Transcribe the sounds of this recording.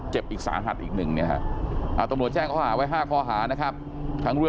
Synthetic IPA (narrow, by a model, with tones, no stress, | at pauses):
t͡ɕe˨˩p̚ʔiː˨˩k̚sa̰ː˩˦mɦa̰˨˩t̪̚ʔiː˨˩k̚nɯ˨˩ŋni˥ɐka̰˦˥ʔʔaː˧˨˩t̪a˧˦mnu˨˩ət̪̚t͡ɕɛː˥˩ŋkʰɔː˧˥˩ɦaː˩˦wa˦˥jɦaː˥˩kʰɔː˧˩ɦaː˩˦na˦˥kʰa˦˥p̚ | t̪ʰa˦˥ŋɾu˥˩